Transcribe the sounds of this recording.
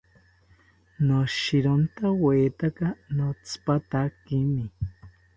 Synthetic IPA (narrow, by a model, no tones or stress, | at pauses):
noʃiɾont̪aweːt̪akanot͡sʰpat̪akimi